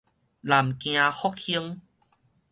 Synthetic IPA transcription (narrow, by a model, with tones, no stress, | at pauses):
la˨˩mkj̃ã˧hɔ˦k̚hi˧˦əŋ